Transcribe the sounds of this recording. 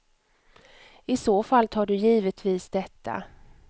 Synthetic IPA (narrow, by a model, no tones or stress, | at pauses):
ɪsoːfalːt̪ʰɑːɖɵjiːvət̪ʰviːsd̪ɛt̪ʰːa̰